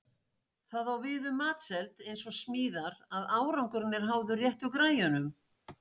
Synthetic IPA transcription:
θaðawvɪːðʏmːaːt̪sɛlt̪ejnsɔsmiːðaɾaðaːwɾawŋkʏɾnːɪɾ̥ɦawðʏrjɛht̪ʏkɾaːjanʏm

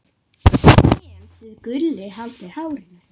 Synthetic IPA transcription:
ɛnsɪðkʏlːɪɦalt̪ɪhaːwɾɪnɪ

